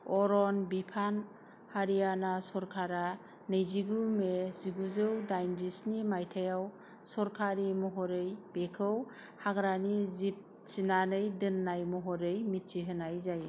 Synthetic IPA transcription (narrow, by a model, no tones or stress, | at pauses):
ɔɾɔnbipʰan | haɾijanasɔɾkʰaɾa | nɯjziɡumeziɡuzɯwdajndisnimajtʰajaw | sɔɾkʰaɾimɔɦɔɾɯjb̥ekʰɯw | haɡɾanizip̚ | sinanɯjdɯnːajmɔɦɔɾɯjmitːiɦɯnajzaj